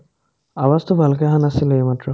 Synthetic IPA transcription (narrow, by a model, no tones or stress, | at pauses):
awast̪ʰobʱalk̬eɦanasilematɹɔ